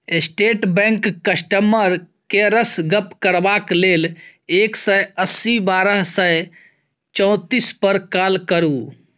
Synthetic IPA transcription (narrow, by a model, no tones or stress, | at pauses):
esʈeːʈbɛ̃ŋkːəsʈəməɾ | keɾəsɡəpkəɾbakleːleːksəəsːibaːɾəɦsə | t͡ʃɔ̃t̪ispəɾkaːlkəɾu